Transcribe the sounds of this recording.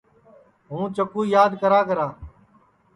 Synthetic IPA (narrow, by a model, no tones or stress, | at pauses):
ɦũːt͡ʃəkuːjaːd̪kəɾaːkəɾaː